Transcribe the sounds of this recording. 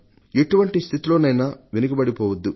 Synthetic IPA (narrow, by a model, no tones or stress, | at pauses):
eʈuʋɐɳʈist̪ʰit̪ilo̞ːnɐjnɐʋenuɡɐbɐɽipɔːʋɐd̪ːu